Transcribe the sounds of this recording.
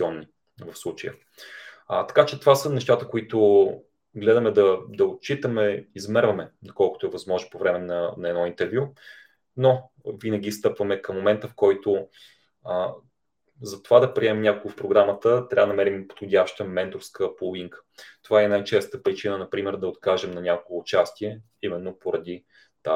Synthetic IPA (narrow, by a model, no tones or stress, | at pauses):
iɔnːi | vɐfslˠut͡ʃəjə̰ | t̪ɐ̥kat͡ʃɛt̪ovasənɛʃt̪at̪əkoit̪o | ɡlɛd̪ɐmɛd̪ɐd̪ɐot̪t͡ʃit̪əmɛizmɛɾvɐmɛd̪ɐkɔlˠkʊ̥t̪oʊɛvɐzmɔʒnopovɾɛmɛnɐnɐɛd̪nɔint̪ɛɾvʲju | no | vinəɡ̟ist̪ɤpvɐmɛkɐmːomɛnt̪əfkɔjt̪ʊ | zɐt̪ovad̪ɐpɾiɛmɛmnʲakolɡəfpɾoɡɾamət̪ət̪ɾʲavd̪nɐmɛɾimpo̥t̪xodʲjaʃt̪əmɛnt̪ofskəpolˠiŋkə̥t̪ovaɛnajt͡ʃɛst̪əpɾit͡ʃinənɐpɾimɛɾd̪ɐot̪kaʒɛmnɐnʲakoɛːt͡ʃast̪iɛ | imɛnːopoɾɐd̪i | t̪a